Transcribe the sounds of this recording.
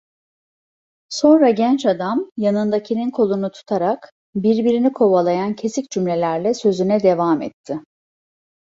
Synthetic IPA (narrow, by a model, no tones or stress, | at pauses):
so̞nɾaɟɛnt͡ʃad̪amjanɯnd̪acʰilʲinkʰo̞lˠunut̪ʰu̥t̪ʰaɾak | biɾbiɾinikʰo̞βalˠajancʰe̞sicd͡ʒymlʲe̞lʲæɾlʲɛsø̞zynɛd̪e̞vamɛ̰t̪ʰːɪ